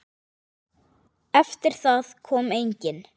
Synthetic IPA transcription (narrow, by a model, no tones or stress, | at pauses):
ɛft̪ɪɾ̥θaðkʰɔːmejɲcɪn